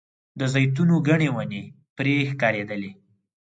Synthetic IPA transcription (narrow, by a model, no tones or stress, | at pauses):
d̪əzajt̪unoɡaɳewane | pɾexkɑɾed̪əle